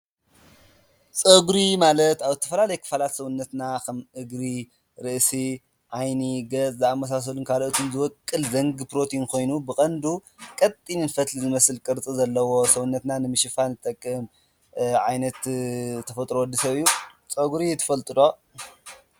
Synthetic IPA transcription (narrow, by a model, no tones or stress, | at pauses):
t͡sʼɐɡuɾimalɐt̪aβzɨt̪ʰɐ̥fɐlalɐjɛkʰɨ̥falat̪sɐwunːɐt̪nakʰɐmʔɨɡɾi | ɾɨʔsi | ʕajniɡɐt͡sʼzɨamːɐs̬as̬ɐlunkʰaloʔt̪ʰunzɨwɔkʼːɨlzɐŋɡɨpɾo̞t̪ʰinkʰo̞jnubɨkʼɐnd̪ukʼɐt̪ʼːininfɐt̪lizɨmɐsɨlkʼɨɾt͡sʼizɐlːɐwo̞sɐwunːɐt̪nanɨmɨʃɪfanɨt̪ʼɐkʼːɨn | ʕajnɐt̪t̪ʰːɐfɐt̪ʼɾowɐd̪ːisɐβijːut͡sʼɐɡuɾit̪ʰɐ̥fɐlt̪ʼɨlo̞